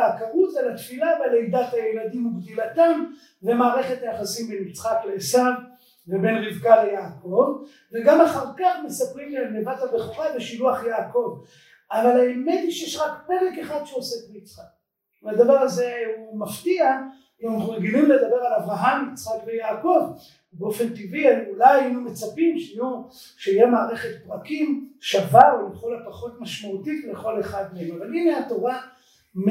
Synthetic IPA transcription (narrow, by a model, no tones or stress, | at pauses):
akaʁut̪alat̪filabalejd̪at̪hajelad̪imuɡdilat̪am | ve̞maːʁe̞χe̞t̪ajaχasimbenit͡sχaklesav | vebe̞nʁivkalejaːko̞v | veɡamaχaʁkaχme̞sapʁimlenevat̪habeχoʁaveʃiluaχjaːko̞v | avalaemet̪iʃejeʃʁakeʁekeχad̪ʃeosetmit͡sχak̚ | ad̪avaʁaze̞umaft̪ia | aχumeɡilimle̞d̪abe̞ʁalavʁaɦamit͡sχakvejaːko̞v | beo̞fe̞nt̪iviajulajinume̞t͡sapimʃeiju | ʃeijemaːʁeχe̞t̪̚pʁakimʃavaemχulapaχo̞t̪maʃmaut̪itleχo̞le̞χad̪meemavalineato̞ʁa | m